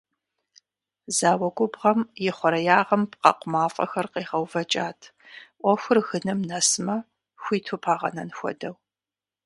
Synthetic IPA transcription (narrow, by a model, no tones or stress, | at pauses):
zaːwɐɡʷʼʊbʁɐmjɪχʷɔɾɐjaːʁɐmpqɑ̰qʷʊmaːfʼɐ̰xɐrqeːʁɐwvɐt͡ʃʼaːtʰ | ʔʷɔxʷʊrɣɨnɨmnɐsmɐ | xʷiːtʰʊpʰaːʁɐ̰nɐnxʷɔ̰dɐw